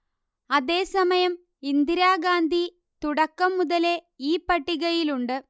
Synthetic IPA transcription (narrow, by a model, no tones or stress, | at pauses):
ɐðe̞ːsɐmɐjɐm | ind̪iɾaːɡaːnd̪ʱi | t̪uɽɐkːɐmːuðɐle | iːpːɐʈːiɣɐjiluɳɖɨ